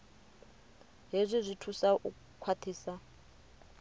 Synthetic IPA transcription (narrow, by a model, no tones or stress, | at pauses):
ɦizʷizʷitʰusaʔu | kʰwat̪ʰiːsa